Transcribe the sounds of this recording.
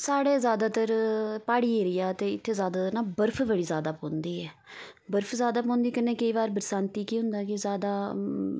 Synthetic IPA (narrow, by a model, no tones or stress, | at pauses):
saːɽeːzjaːd̪aːt̪əɾpaːɽiːeːɾɪjaːt̪eːɪt̪ʰːeːzjaːd̪aːt̪əɾnaːbəɾpʰbəɽiːzaːd̪aːpõːnd̪iːɛː | bəɾpʰzjaːd̪aːp̬ɔ̃ːnd̪iːkɪnẽːkəiːβaːɾbəɾsãːnt̪iːkiːɦʊ̃nd̪aːkɪzjaːd̪aː